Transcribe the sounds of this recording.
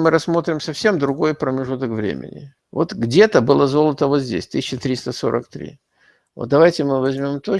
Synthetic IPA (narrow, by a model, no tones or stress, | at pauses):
mɨɾɐsmo̞t̪ɾʲɪmsɐfsʲe̞md̪ɾʊɡo̞jpɾəmʲɪʐut̪əkvɾʲḛmʲɪ̰nʲɪ̰ | vo̞t̪ɡdʲe̞t̪əbɨlˠəzo̞lˠət̪əvozʲdʲḛsʲt̪ɨsʲɪɕːɪt̪ɾʲist̪əso̞̰ɾʔə̰kt̪ɾʲḭ | vot̪̚d̪ɐvajtʲɪmɨvɐzʲmʲo̞mt̪o